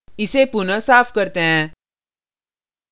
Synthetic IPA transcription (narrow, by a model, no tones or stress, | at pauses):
ɪsepʊnəsaːfʰkɐɾt̪eɦɛ̃ː